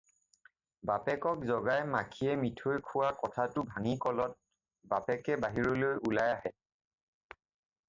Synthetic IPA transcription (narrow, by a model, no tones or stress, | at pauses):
bapɛkɔk̚zɔɡajmakʰiɛmitʰojkʰʊwakɔtʰatʊbʱaŋikɔlɔt̚ | bapɛkɛbaɦiɹɔlojʔulajaɦɛ